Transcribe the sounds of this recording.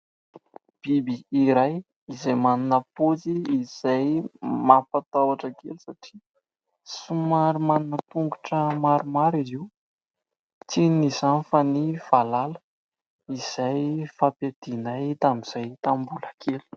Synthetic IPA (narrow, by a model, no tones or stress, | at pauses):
b̥ibiːɾaj | izajmaninəpot͡siːz̥ajmapat̪awaʈ͡ʂakelusaʈ͡ʂi̥ | sumaɾumaninət̪uŋɡu̥ʈ͡ʂəmaɾumaɾiziw | t͡sinizanfaniv̥alalə̥ | iz̥ajfaped̪̥inajt̪amiz̥ajt̪ambulakʰelu̥